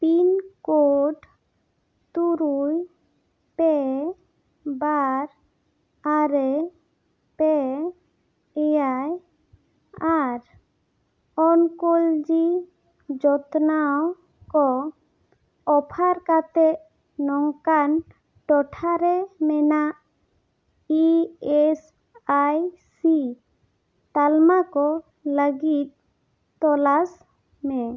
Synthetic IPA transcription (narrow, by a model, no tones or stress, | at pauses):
pinkoɖ | t̪uɾuj | pɛ | baɾ | aɾɛ | pɛ | pɛjaj | aɾ | ɔnkold͡ʒi | d͡ʒɔt̪naw | kɔ | ɔpʰaɾkat̪ɛʔ | nɔŋkan | ʈɔʈʰaɾɛmɛnaʔ | iɛs | ajsi | t̪almakɔ | ləɡit̪̚ | t̪ːɔlas | mɛ